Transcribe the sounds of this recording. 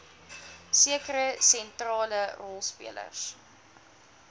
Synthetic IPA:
siəkəɾəsɛntrɑːlərɔlˠspḭələ̰rs

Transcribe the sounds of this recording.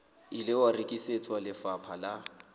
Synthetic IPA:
ilɪwarikʼiset͡sʰʼwalɪfapʰala

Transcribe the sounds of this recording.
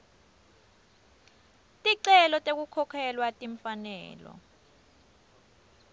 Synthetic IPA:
tʼiǀɛlɔtʼek̬ukʰɔkʰɛlwatʼiɱfanɛ̰ːlɔ̰

